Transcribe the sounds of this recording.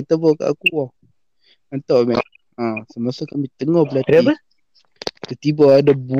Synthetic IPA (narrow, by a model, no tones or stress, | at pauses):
ət̪əbɔka̰ʔa̰kua | ənt̪aʔmɛ̰ | ə̃səmasokamit̪əŋɔhbəlat̪i | t̪ət̪ibɔadabu